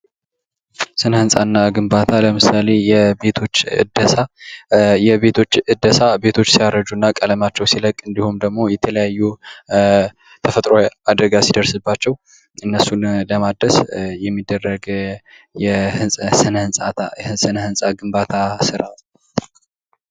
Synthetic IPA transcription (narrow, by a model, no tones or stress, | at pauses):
sɨnhɨnsʼanːaɡɨmbat̪ʰaləmɨsale̞jɛbe̞t̪ʰo̞t͡ʃːɨ̰d̪əsa | jɛβe̞t̪ʰo̞t͡ʃːɨd̪əsabe̞t̪ʰo̞t͡ʃːsijaɾəd͡ʒunːakʼələmat͡ʃːɛwsiləkʼɨnd̪ihumd̪əɡmo̞jɛt̪ʰələjajːu | t̪ʰəfət̪ʼɾo̞ad̪əɡasid̪əɾsɨbːat͡ʃːɛw | ɨnːəsunləmad̪ːəsjɛmːid̪ːərːəɡ | jɛhɨnʼsɨnhɨnsʼat̪aɨsɨnhɨnsʼaɡɨmbat̪ʰasɨɾʔat̪